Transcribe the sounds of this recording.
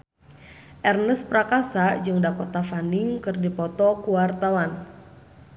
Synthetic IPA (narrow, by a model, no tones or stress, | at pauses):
ʔɛrnəspɾakasad͡ʒɨŋdakɔt̪afanɪŋkɨrdipɔt̪ɔkuwart̪awan